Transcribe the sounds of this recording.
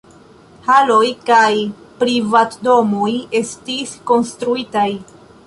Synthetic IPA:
halo̞jkaj | pɾivatdo̞moje̞stisko̞nstɾuitaj

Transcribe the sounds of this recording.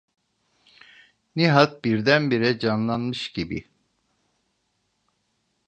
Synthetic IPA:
niɦat̪̚biɾd̪ænbiɾɛd͡ʒanlˠanmɯʃɟibḭ

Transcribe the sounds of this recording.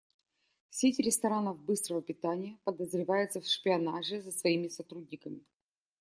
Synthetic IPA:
fsʲetʲɪɾʲɪst̪ɐɾanəvbɨst̪ɾəvəpʲɪt̪anʲɪjəpəd̪əzɾʲɪvajɪt̪səfʂpʲɪɐnaʐɨzəsvɐimʲɪsɐt̪ɾud̪ʲnʲɪkəmʲɪ

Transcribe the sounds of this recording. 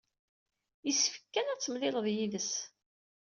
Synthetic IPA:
jəsːfə̥kːænæt͡sːəmlɪləðjiðəs

